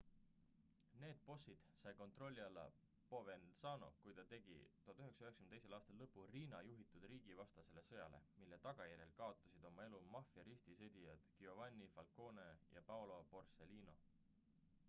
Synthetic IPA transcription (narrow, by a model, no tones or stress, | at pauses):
ne̞ːd̪̥̚po̞sːid̪̥sɑjko̞nt̪ro̞lʲːiɑlːɑ̰ | po̞vensɑːno̞̰kujt̪ɑt̪e̞ɡ̥ḭt̪uɑt̪ːyɦeksɑyɦekskymneselɑːst̪ɑlːɤpːuriːnɑjuɦit̪ˑud̪̥riːɡ̥ivɑst̪ɑse̞le̞sɤ̞jɑ̰le̞̰milːe̞t̪ɑɡ̥ɑjæɾʲjelkɑo̞t̪ːˑɑsid̪̥o̞mɑe̞lumɑfjɑɾist̪ised̪̥ʲijɑd̪̥kio̞vɑnʲːifɑlko̞ːnejɑ̰pɑwlo̞po̞rse̞liːno̞̰